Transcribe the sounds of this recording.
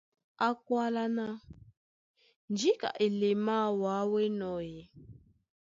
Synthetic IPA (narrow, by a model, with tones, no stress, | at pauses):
a˦˨kwa˦la˦na˦ | nd͡ʒi˦ka̰˨ʔi˨li˨ma˦wa˨˦wɛ˦nɔ˨jɛ˨